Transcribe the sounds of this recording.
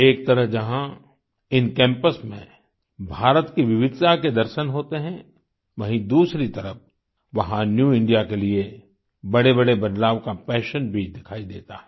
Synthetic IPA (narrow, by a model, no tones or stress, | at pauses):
eːk̚t̪ɐɾəɦd͡ʒɐɦã | ɪnkɛ̃ːmpəsmḛ̃ | bʱaːɾət̪kiʋɪʋɪd̪saked̪ɐɾʃənɦoːt̪eɦɛ̃ | ʋɐɦĩd̪uːsɾit̪ɐɾəf̚ | ʋɐɦãnjuːɪ̃ɳɖijakelie | bɐɽebɐɽebɐd̪laːʋkapɛːʃənbʱid̪ɪkʰaːid̪ḛːt̪aɦɛː